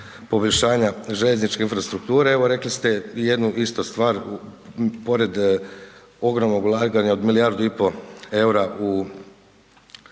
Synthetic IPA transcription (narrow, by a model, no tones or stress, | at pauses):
po̞boʎʲʃaːɲaʒeʎeznit͡ʃke̞infɾast̪ɾuk̚t̪uːɾeeʋo̞ɾe̞klist̪eje̞d̪nuʔist̪ost̪ʋaːɾ | po̞ɾe̞d̪ | o̞ɡɾomnoɡulˠaɡaɲaod̪milijaɾd̪uipo̞e̞uɾaʔu